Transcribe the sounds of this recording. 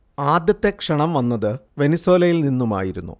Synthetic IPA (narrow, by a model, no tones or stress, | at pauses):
aːd̪jɐt̪ːe̞kʂɐɳɐmʋɐnːɐðɨʋe̞nisweːlɐjilninːuma̰ːjiɾunːṵ